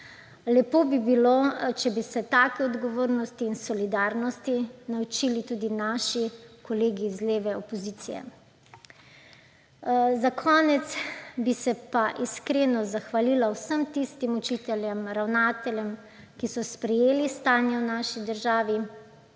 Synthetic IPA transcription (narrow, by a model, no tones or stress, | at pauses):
lɛpoːbibilot͡ʃɛbisɛt̪aːkɛɔd̪ɡɔʋoːɾnɔst̪iːnsɔlid̪aːɾnɔst̪inawt͡ʃiːlit̪uːd̪inaːʃikɔleːɡizleːʋɛɔpɔziːt̪sijɛ̰ | zakʰɔːnɛt̪sbisɛpaʔiskɾeːnɔzaxʋaliːlawsəmt̪ist̪imɔt͡ʃiːt̪ɛljɛmɾawnaːt̪ɛljɛm | kisɔspɾɛjeːlist̪aːnjɛwnaʃid̪əɾʒaːʋi